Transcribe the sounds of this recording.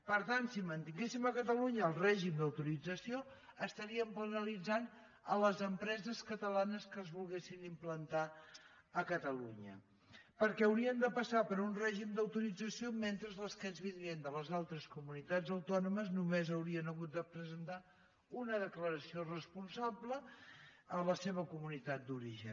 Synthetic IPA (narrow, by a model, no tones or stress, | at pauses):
pəɾt̪ansimənt̪iŋɡesiməkət̪əluɲəːlˠrɛʒimd̪əwt̪uɾid͡zəsio | əst̪əɾiəmpənəlid͡zan | ələzəmpɾɛzəskət̪əlanəskəːzβulˠɣesinimplənt̪a | əkət̪əlṵɲə̰ | pəɾkɛəwɾiənd̪əpəsapəɾunrɛʒimd̪əwt̪uɾid͡zəsioment̪ɾəzləskənzβiɾiənd̪ələzalˠt̪ɾəskumunit̪ad͡zəwt̪ɔnuməznumezəwɾiənəɣut̪̚d̪əpɾəzənt̪a | unəðəkləɾəsiorəspunsablə | ələseβ̞əkumunit̪at̪̚d̪uɾiʒə